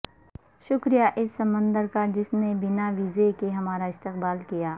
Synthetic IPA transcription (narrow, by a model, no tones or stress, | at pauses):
ʃʊkɾijaʔɪsːɐmə̃nd̪əɾkad͡ʒɪsnebɪnaʋiːzekeɦɐmaːɾaɪst̪ɪqbaːlkijaː